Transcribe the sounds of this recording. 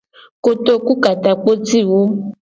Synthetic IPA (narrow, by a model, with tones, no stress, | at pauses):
ko˦to˦ku˦ka˨ta˨k͡po˦ti˦˨wo˦